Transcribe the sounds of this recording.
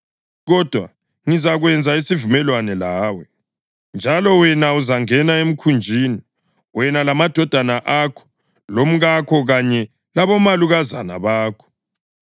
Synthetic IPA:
ɣɔd̥ʱwa̰ | ŋizaɣwɛnd͡zʱaisivumɛlwanɛlaːwɛ | nd͡ʒʱalɔwɛnauzaŋɛnaem̩kʰund͡ʒʱiːni | wɛnalamad̥ʱɔd̥ʱanaʔakʰɔ̥ | lom̩ɣakʰɔɣaɲɛ | laβɔmaluɣaza̰na̰βaːkʰɔ̥

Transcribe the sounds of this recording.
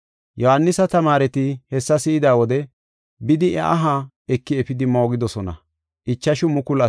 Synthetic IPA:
jɔhɐnːɪsɐt̪ɐmaːɾɛt̪ɪhɛsːɐsɪːɪd̪aːwɔd̪ɛ | bɪd̪ɪʔɛ̰ʔaɦa | ɛkːɪɛpɪd̪ɪmo̞ːɡɪd̪ɔsɔnɐ̰ | ʔɪt͡ʃːɐʃʊmʊkʊlɐ

